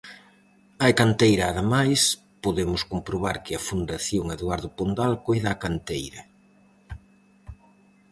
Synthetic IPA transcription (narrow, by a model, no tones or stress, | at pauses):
ajkant̪ejɾaːðemajs | poðemʊskompɾoβaɾkɪɐfund̪aθjoŋeðwaɾðʊpond̪alkojðakant̪ejɾɐ